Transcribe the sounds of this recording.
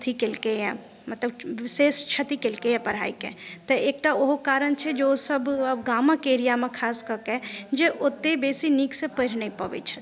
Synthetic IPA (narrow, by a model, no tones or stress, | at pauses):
t̪ʰikelkejɛ̃ | mɐt̪ləbseːst͡ʃʰət̪ikelkeɛ̃pɐɾ̤a̰ːikḛt̪əeːk̚ʈaoɦokaːɾənt͡ʃʰɛd͡ʒeosəbbɡaːmãkeːɾijamẽkʰaːskəɾked͡ʒeʔot̪ːebeːsiniksẽpəɾ̤nəipəʋɛ̰t͡ʃʰɛ̥